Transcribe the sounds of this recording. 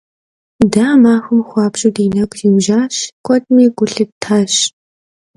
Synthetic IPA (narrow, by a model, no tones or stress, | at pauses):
daːmaːxʷʊmxʷɑːbɕʼudeːnɐkʷʰʼziːwʒaːɕkʷʰʼɔtʼmiːɡʷʊɬɨp̚tʰaːɕ